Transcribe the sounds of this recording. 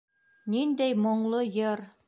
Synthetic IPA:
nind̪æjmŏɴlˠojɤɾ

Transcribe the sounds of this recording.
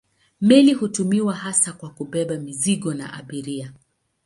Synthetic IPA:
mɛlihutumiwahasakwakuɓɛɓamiziɠɔna̰ʔa̰ɓiɾia

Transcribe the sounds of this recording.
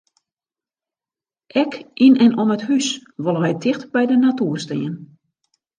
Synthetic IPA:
ʔɛkʔinɛnɔməthysʋolˠəʋɛjtʰɪxtbɛjdənatuərstɪ̰ən

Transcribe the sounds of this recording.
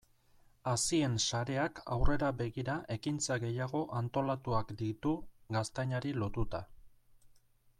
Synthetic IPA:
asie̞nsaɾe̞aka̰wre̞ɾaβe̞ɣiɾaʔe̞kint͡saɣe̞jaɣ̞o̞ʔant̪o̞lat̪uakd̪it̪uɡast̪ajɲaɾilo̞t̪ut̪a

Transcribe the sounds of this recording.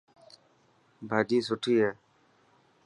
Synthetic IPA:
bʱaːɗiːsʊʈʰiːɦɛː

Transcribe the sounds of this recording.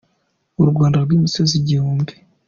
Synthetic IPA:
uɾuɡɡwaːndaɾɡwiːmisoziɟihuːmbi̥

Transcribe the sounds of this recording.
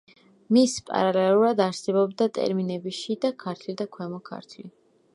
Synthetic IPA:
mispʼa̰ɾalɛlˠuɾad̪aɾsɛbɔbd̪at̪ʼɛ̰ɾminɛbiʃid̪akʰaɾt̪ʰlid̪akʰwɛmɔkʰa̰ɾt̪ʰli

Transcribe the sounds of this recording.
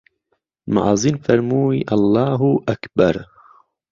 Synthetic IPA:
ma̰ʕɑːzinfɐɾmuːiʔɑlˤːɑːɦuʔakbaɾ

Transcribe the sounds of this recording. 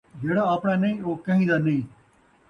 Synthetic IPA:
d͡ʒeːɽaːəpɳãːnəĩːoːkə̃ɦĩːd̪aːnəĩː

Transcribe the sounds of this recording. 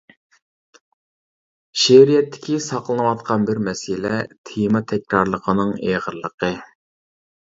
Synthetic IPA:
ʃeɾijɛt̪ʰːɪ̥kʲʰisɑqlˠənəwɑt̪̚qʰɑnbɪɾmɛsɪlɛt̪ʰemɑt̪ʰɛkʲɾɑɾlˠəqʰənɨŋeʁəɾlˠəqə

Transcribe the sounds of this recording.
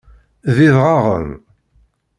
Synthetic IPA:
ðiðʁɑʁə̰m

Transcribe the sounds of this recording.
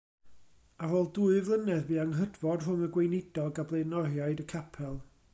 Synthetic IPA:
aɾɔːlˠduːɨvlˠənɛðbiːaŋɦədvɔd̥r̥ʊməɡwejnɪd̥ɔɡablˠejnɔrjaɨdəkʰapʰɛlˠ

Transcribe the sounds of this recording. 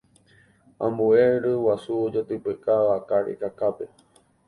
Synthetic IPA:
ã̰mbueɾɨwasuod͡ʒot̪ɨpɨkaʋakaɾḛkakape

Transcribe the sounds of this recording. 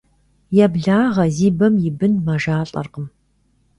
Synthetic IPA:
jabɮaːʁɐziːbɐmjɪbɨnmɐʒaːɬʼɐ̰rqəm

